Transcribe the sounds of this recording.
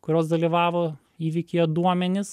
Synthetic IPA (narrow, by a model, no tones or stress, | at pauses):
kʊɾʲoːsd̪ɐlʲiʋɑːʋoː | iːʋʲɪkʲɪɛd̪uɔmʲɛnʲɪs